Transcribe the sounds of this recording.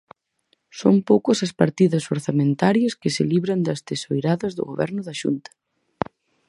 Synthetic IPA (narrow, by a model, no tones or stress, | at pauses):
sompowkʊsɐspaɾt̪iðɐsoɾθamẽnt̪aɾjɐskɪseliβɾɐnd̪ɐst̪esojɾaðɐzðʊ̰ɣoβɛ̰ɾnʊðɐʃṵnt̪ɐ̥